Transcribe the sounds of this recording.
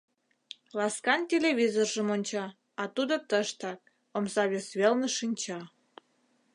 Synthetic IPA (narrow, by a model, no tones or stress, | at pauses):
lɑskɑntʲelʲeβʲizorʒə̆monʲt͡ɕɑ | ɑt̪ud̪ot̪əʃt̪ɑk̚ | omzɑβʲesβelnəʃinʲt͡ɕɑ